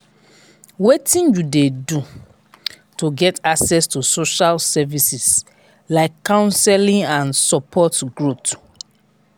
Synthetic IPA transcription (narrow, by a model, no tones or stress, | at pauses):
wetĩnjudedu | tuɡɛtaksɛstusoʃalsɛvisis | laɪkːãʊ̃nsɛlĩŋãnsɔpʰɔtɡɹot